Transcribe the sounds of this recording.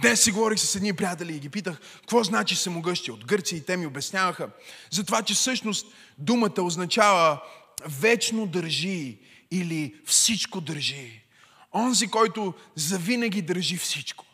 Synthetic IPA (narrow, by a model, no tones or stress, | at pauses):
d̪nɛsːiɡovɔɾixsɛ̥sɛd̪nipɾijat̪ɛlʲiːɡʲipit̪əxkvɔznat͡ʃisɐmʊɡɤʃt̪iəod̪ɡɤɾt̪siəit̪ɛmiobɛsnʲavəxəzɐt̪ovat͡ʃɛfsɤʃnost̪̚ | d̪umət̪əoznɐt͡ʃavə | vɛt͡ʃnod̪əɾʒiː | lifsit͡ʃkod̪əɾʒi | ɔnzikɔjt̪ʊzɐvinɐɡ̟ʲid̪əɾʒifsit͡ʃko̥